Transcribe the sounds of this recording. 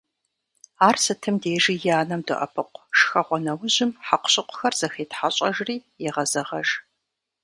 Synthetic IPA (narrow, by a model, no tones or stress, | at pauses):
aːrsɨtʰɨmdeːʒijaːnɐmdɨʔɐ̰pʰɨqʷʂxɐʁʷɔnɐwʊʑɪmħaqʷɕʼɪqʷʰʊ̥xɐrz̥ɐxeːtħaɕʼɐʒriːjɛʁɐzɐʁɐʒ